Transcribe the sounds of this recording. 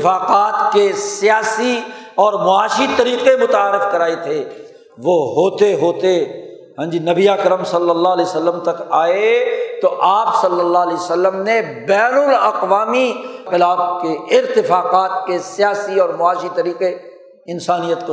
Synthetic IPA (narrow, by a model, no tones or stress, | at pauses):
faːqaːt̪kesijaːsiɔːɾmʊaːʃit̪ɐɾiːqemʊt̪aːɾɪfkɐɾaːet̪ʰe | ʋoɦoːt̪eɦoːt̪e | ɦɛ̃ːd͡ʒinɐbiaːkəɾəmsɐlːəlːalɛsəlːəmt̪ɐkaːet̪oʔaːpsɐlːəlːaːlɛsəlːəmnebɛːnʊlɐqʋaːmiqɪlaːb̚keɪɾt̪ɪfaːqaːt̪̚kesɪjaːsiɔːɾmʊaːʃit̪ɐɾiːqe | ɪnsaːnijət̪ko